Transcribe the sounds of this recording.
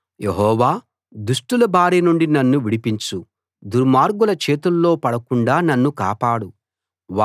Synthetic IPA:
je̞ɦɔːʋaː | d̪uʂʈulɐbaːɾiːnuɳɖinɐnːuʋiɽipiɲt͡ʃu | d̪uɾmaːɾɡulɐt͡ʃe̞ːt̪ulːo̞ːpɐɽɐkuɳɖaːnɐnːuka̰ːpaːɽu | ʋa

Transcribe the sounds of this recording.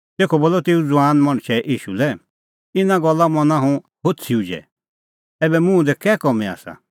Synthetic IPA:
t̪eːkʰɔboːlɔt̪eːũd͡zʊaːnmɐ̃ɽ̃ʃʰɛʔiːʃṵlɛ | ɪnãɡɔlːamɔnãɦũ | ɦot͡sʰiud͡ʒɛ̰ | ɛːbɛmũd̪ɛkɛːkɔmɛa̰ːsa̰

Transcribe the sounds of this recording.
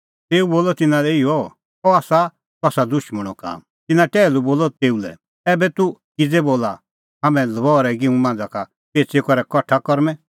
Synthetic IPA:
t̪eːuboːlɔt̪ɪnãlɛɪɔ | ɔaːsa | t̪uaːsad̪ʊʃməɽ̃ɔka̰ːm | t̪ɪnaʈɛːluboːlɔt̪eːulɛ̰ | ɛːbɛt̪ukɪd͡zɛboːla | ɦaːmɛ̃lɐbɔːɾɛɡɪũmãːnd͡zaka | peːt͡sekɔɾɛkɔʈʰːakɔɾmɛ̃

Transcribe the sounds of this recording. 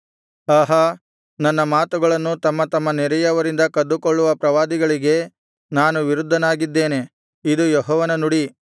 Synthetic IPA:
aːɦɐ | nɐnːɐmaːt̪uɡɐɭɐnːut̪ɐmːɐt̪ɐmːɐnɛɾɛjɐʋɐɾind̪ɐkɐd̪ːukoɭːuʋɐpɾɐʋaːd̪iɡɐɭiɡe̞ | naːnuʋiɾud̪ʱːɐnaːɡid̪ːe̞ːne̞ | id̪ujɔɦɔːʋɐnɐnuɽi

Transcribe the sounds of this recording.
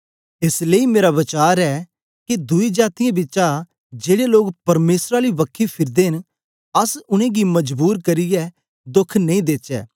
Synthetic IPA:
ɪsleːimeːɾabɐt͡ʃaːɾɛ | kid̪ʊid͡ʒaːt̪ɪjãbɪt͡ʃa | d͡ʒeːɽeloːkpɐɾmeːsɾaɾiʋɐkʰːipʰɪɾd̪eɦɪn | ɐsʊñẽːɡimɐd͡ʒbuːɾkɐɾɪjɛ | d̪ʊkʰnɐ̃ĩːd̪eːt͡ʃɛ̰ː

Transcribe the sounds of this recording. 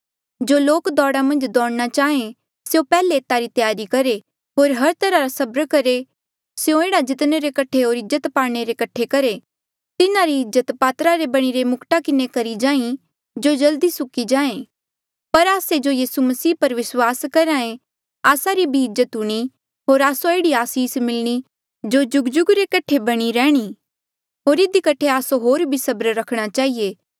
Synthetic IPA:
d͡ʒoːloːkd̪ɔːɽamɐ̃nd͡ʒd̪ɔːɽnat͡ʃaːẽ | sjopɛːleːt̪aɾit̪jaːɾikɐɾe | ɦoːɾɦɐɾt̪ɐɾaɾasɐbɾəkɐɾe | sjõeːɽad͡ʒɪt̪neɾekɐʈʰeɦoːɾɪd͡ʒət̪paːɽɽ̃eɾekɐʈʰːekɐɾe | t̪ɪnaɾiɪzːət̪paːt̪ɾaɾebɐɽ̃iɾemʊkʈakɪnekɐɾid͡ʒãːĩ | d͡ʒod͡ʒɐld̪isʊkid͡ʒãːẽ | pɐɾaːsed͡ʒojiːsumɐsiːpɐɾʋɪswaːskɐɾãːẽ | aːsaɾibʱiɪzːət̪ɦʊɽ̃i | ɦoːɾaːsoeːɽiaːsiːsmɪlɽ̃i | d͡ʒod͡ʒʊɡd͡ʒʊɡɾekɐʈʰebɐɽ̃iɾɛːɽ̃i | ɦoːɾɪd̪ikɐʈʰeaːsoɦoːɾbʱisɐbɾɾɐkʰɽ̃at͡ʃaːɦieː

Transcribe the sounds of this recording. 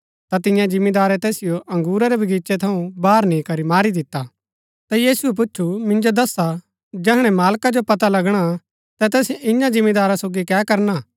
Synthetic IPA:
t̪at̪ɪ̃jãd͡ʒɪ̃mːid̪aːɾɛt̪ɛːsɪjoʔɐ̃ŋɡuːɾaɾɛbʱɐɡiːt͡ʃɛt̪ʰɐũbaːɾnĩkɐɾimaːɾid̪ɪt̪ːa | t̪ajiːsuɛp̬ʊt͡ʃʰumɪ̃nd͡ʒod̪ɐsːa | d͡ʒɛɦɽ̃ɛmaːlkad͡ʒopɐt̪alɐɡɽ̃a | t̪ɛt̪ɛːsɪ̃jãd͡ʒɪmːid̪aːɾasoːɡikɛːkɐɾna

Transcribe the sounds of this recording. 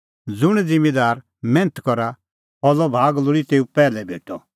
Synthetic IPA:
d͡zʊɽ̃d͡zɪ̃med̪aːɾ | mɛ̃ːnət̪kɔɾa | ɦɔlɔbʱaːɡlʊɽit̪eːupɛːlɛbʱḛːʈʰɔ

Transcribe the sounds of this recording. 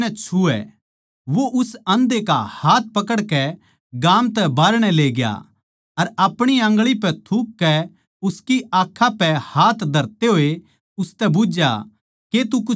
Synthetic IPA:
ɛt͡ʃʰuɛ̰ | ʋoʔʊsɐ̃nd̪eka̰haːt̪̚pɐkəɽkɛ | ɡaːmt̪ɛbaːɾɽ̃ɛleːɡja̰ | ɐɾɐpɽ̃iãːŋɡɭipɛt̪ʰup̚kɛ | ʊskiaːkʰːapɛhaːt̪ʰd̪ʱɐɾt̪eɦoːe | ʊst̪ɛbʊd͡ʒja̰ | ket̪ukʊ

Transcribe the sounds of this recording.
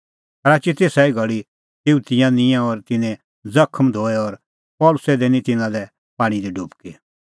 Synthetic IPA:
ɐɾaːt͡ʃit̪esɛiɡɐɭi | t̪iut̪ɪjãnɪ̃jãɔɾt̪ɪnɛ̃ | d͡zɐkʰəmd̪ʱoːɛɔɾ | pɔːlʊsɛd̪ɛnĩt̪ɪnãlɛ | paːɽ̃id̪iɖʱupki

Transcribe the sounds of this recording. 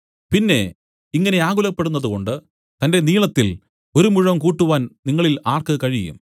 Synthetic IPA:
pinːe̞̰ | iŋːɐne̞aːɣulɐpːe̞ɽunːɐðuko̞ɳɖɨ | t̪ɐnde̞niːɭɐt̪ːil | o̞ɾumuɻɐmkuːʈːuʋaːnniŋːɐɭilaːrkɨkɐɻijṵm

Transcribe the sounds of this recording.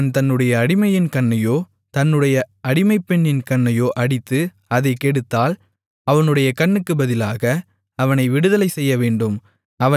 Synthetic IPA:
nt̪ɐnːɯɽɐjɐːɽɪmɐjɪnkɐɳːɐjoː | t̪ɐnːɯɽɐjɐɐɽɪmɐɪpːɛɳːɪnkɐɳːɐjoːʔɐɽɪt̪ːɯ | ɐðɐɪkɛɽɯt̪ːaːl | ɐʋɐnɯɽɐjɐkɐɳːɯkːɯbɐðɪlaːɣɐ | ɐʋɐnɐɪʋɪɽɯðɐlɐɪsɛjːɐʋeːɳɖɯm | ɐʋɐ

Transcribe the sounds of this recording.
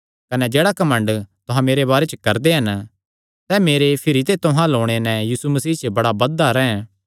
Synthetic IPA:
kɐnɛd͡ʒeːɽakɐmə̃ɳɖt̪ʊɦãmeːɾebaːɾet͡ʃkɐɾd̪eɦɐn | sɛːmeːɾepʰɪɾit̪et̪ʊɦãloːɽ̃enɛ̃jiːsumɐsiːt͡ʃbɐɽabɐd̪aɾɛɦɛ̃

